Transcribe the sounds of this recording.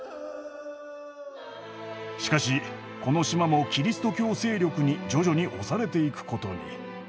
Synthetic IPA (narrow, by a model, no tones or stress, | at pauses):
ɕi̥kaɕi | ko̞no̞ɕimamo̞kʲiɾʲisɨ̥t̪o̞kʲo̞ːse̞ːɾʲo̞kɯ̟ɲ̟id͡ʑo̞ʑo̞ɲ̟iʔo̞saɾe̞t̪e̞ikɯ̟̥kʰo̞t̪o̞ɲ̟ḭ